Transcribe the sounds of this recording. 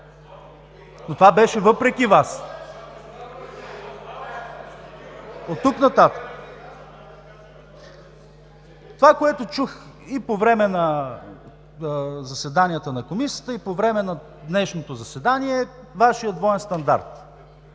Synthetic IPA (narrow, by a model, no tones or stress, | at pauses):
not̪ovabɛʃɛvɤpɾɛk̟ʲivas | ot̪ːuknɐt̪at̪ə̥k | t̪ovakoɛt̪ot͡ʃux | ipovɾɛmɛnɐ | zɐsɛd̪anijət̪ənɐkomisiə̥t̪əipovɾɛmɛnɐ | d̪nɛʃnot̪ozɐsɛd̪aniɛvaʃijəd̪vɔɛnst̪ɐnd̪a̰ɾt̪